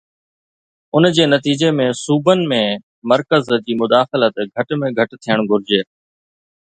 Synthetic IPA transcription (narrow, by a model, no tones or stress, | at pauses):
ʊnd͡ʑeːnɐt̪iːd͡ʑemẽsuːbənɪ̆mẽ | mɐɾkəzd͡ʑiːmʊd̪aːxɪlət̪ɡʱɐʈmẽɡʱɐʈt̪ʰijəɽ̃ɡʱʊɾɪd͡ʑeː